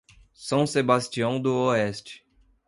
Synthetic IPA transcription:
sɐ̃w̃sebast͡ʃiɐ̃w̃d̪ʊoɛst͡ʃɪ̥

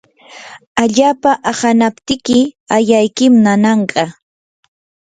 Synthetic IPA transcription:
aʎaːpaʔahanapt̪ɪkɪajajkɪmnanɑɴɢɑ

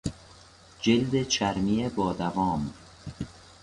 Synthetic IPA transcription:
d͡ʒeld̪et͡ʃʰæɾmijebɒːd̪ævɒːm

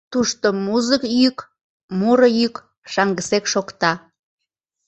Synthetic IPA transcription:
t̪uʃt̪omuzəkjyk | muɾəjyk | ʃɑŋɡəsekʃokt̪ɑ

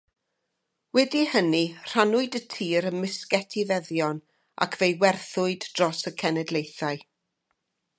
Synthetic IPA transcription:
wɛdihənir̥anʊɨdətʰiːɾənmɪskɛtʰivɛðjɔn | a̰kʰvejwɛrθʊɨdd̥rɔsəkʰɛnɛdlˠejθaɨ

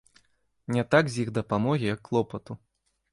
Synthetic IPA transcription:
nʲɛt̪aɡzʲjiɣd̪ɐpamɔɣʲijɐkːlˠɔpɐt̪u

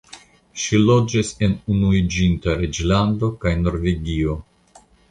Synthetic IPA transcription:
ʃilo̞d͡ʒise̞nunuid͡ʒintaɾe̞d͡ʒlando̞kajno̞ɾveɡio̞

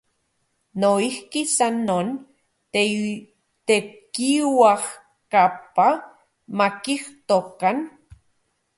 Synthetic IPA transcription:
noihkisanːon | t̪e | t̪ekiwah | kapa | makiht̪okan

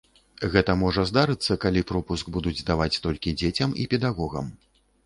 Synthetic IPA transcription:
ɣɛt̪ɐmɔʐɐzd̪aɾɨt̪sːɐkalʲipɾɔpusɡbud̪ud͡zʲzd̪avat͡sʲt̪ɔlʲkʲid͡zʲet͡sʲɐmḭpʲɛd̪aɣɔɣɐ̰m

